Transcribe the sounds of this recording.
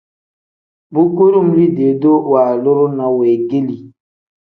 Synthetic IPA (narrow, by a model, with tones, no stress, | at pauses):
bu˦ku˦ɾu˦˨mli˦de˨do˦wa˨lo˦ɾo˦nã˨weː˨ɡe˦li˨